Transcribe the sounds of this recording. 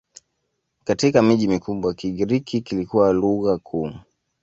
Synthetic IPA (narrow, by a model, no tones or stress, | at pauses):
katikamiʄimikuɓwakiɠiɾikʰikilikuwaluɣakʰuː